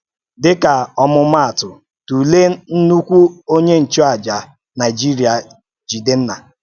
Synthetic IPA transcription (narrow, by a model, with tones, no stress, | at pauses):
dɪ˦ka˨ɔ˦mʊ˦m̩˦a˦˨tʊ˨ | tu˨le˦n̩˦nu˦kʷu˦o˦ɲe˦n̩˨t͡ʃɔ˦a˨d͡ʒa˨ | na˨ɪ˨d͡ʒi˦ɾi˨a˨ | d͡ʒi˨de˦n̩˦na˨